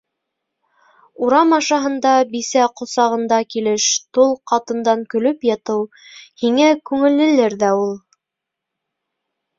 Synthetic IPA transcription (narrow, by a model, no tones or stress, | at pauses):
uɾɑmɑʃɑɦɤ̆nd̪ɑbisæqŏsɑʁɤ̆nd̪ɑkilɘʃt̪olˠqɑt̪ɤ̆nd̪ɑŋkɵ̆lɵpjɑt̪ɤw | hiŋækʉŋɘ̆lːɘ̆lɘɾðæulˠ